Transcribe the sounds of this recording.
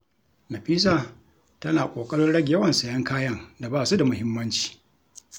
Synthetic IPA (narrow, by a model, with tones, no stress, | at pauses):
nɐ˨ɸiː˦s̬aː˨ | tɐ˦naː˨kʷʼoː˨kʼɐ˦ɽʊ˦nɽɐ˦ɡʲjɐ˦wɐ˨nsɐ˨jɐ˦ŋkaː˦jɐ˦ŋda˨baː˦˨su˦da˨mʊ˦hɪ˦mːɐ˦nt͡ʃi̥ː˨